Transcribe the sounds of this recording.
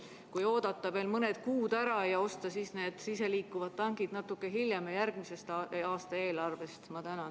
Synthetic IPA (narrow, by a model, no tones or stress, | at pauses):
kujo̞ːd̪̥ɑt̪ːˑɑve̞ːlmɤne̞d̪̥kuːd̪̥æɾɑjɑo̞st̪ɑsisne̞ːd̪̥sis̬e̞liːkːuvɑd̪̥̚ːɑŋɡid̪nɑt̪ːˑukːˑe̞ɦiljemejærɡ̥mise̞st̪ɑːst̪ɑe̞ːlɑrve̞st̪mɑt̪ænɑ